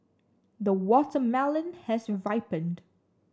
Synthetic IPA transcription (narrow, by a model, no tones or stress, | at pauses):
d̪əwɔtəmɛlə̃nhɛsvaɪpə̃nd